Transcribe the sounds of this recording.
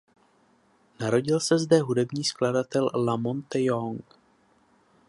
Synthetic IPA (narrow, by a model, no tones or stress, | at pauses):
naɾo̞ɟɪlsɛzdɛɦudɛbɲiːskladat̪ɛllamont̪ɛjoŋk